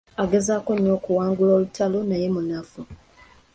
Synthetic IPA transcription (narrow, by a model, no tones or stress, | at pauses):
aɡe̞zaːko̞ɲːo̞ːkuwaːŋɡuloːlutʰalo̞naje̞munafu